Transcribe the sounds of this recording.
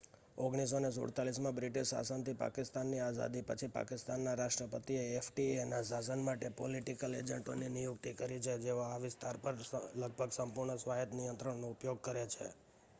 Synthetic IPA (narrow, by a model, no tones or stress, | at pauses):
oɡɽ̃is̬ones̬o̰ɽt̪alis̬mãbɾɪʈiʃsa̰sənt̪ipa̰kɪst̪anːiaza̰d̪ipət͡ʃʰipa̰kɪst̪anːaɾaʃʈɾəpət̪ieːfʰʈienasas̬ənmaʈepoliʈikəled͡ʒəɳʈo̰ninijʊkt̪ikəɾit͡ʃʰed͡ʒeoaʋɪst̪ʰaɾpəɾləɡ̚bʱəɡsəmpʊɾɳəsʋaɦet̪nijənt̪ɾəɳnoupjoɡ̚kəɾet͡ʃʰḛ